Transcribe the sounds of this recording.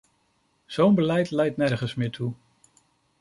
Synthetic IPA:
z̥ownbəlɛjtlɛjtnɛɹχənsmɪːɹtʰu

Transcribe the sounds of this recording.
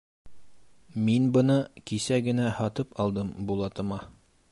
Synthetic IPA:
minbɤ̆nɤkisæɡɘ̆næhɑt̪ɤpɑlˠd̪ɤmbulˠɑt̪ɤ̆mɑ

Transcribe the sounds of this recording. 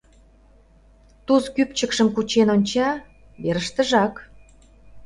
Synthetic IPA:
t̪uskypt͡ɕəkʃəmkut͡ɕenonʲt͡ɕɑ | βeɾəʃt̪ə̆ʒɑk

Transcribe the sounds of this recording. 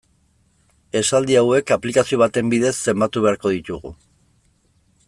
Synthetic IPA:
e̞sald̪iawe̞kaplikasio̞β̞at̪e̞mbiðe̞sːe̞mbat̪uβ̞e̞aɾko̞ðit̪uɣṵ

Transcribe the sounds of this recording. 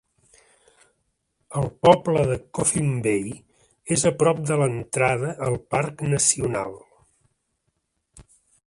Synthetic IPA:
əlˠpɔbləðəkofimbej | ezəpɾɔp̚d̪ələnt̪ɾaðəʔəlˠparknəsiuna̰lˠ

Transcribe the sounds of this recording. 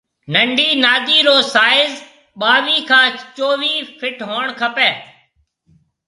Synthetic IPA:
nəɳɖiːnaːd̪iːɾoːsaːɪz | ɓaːʋiːkʰãːt͡ʃoːʋiːpʰɪʈɦoːɳkʰəpeː

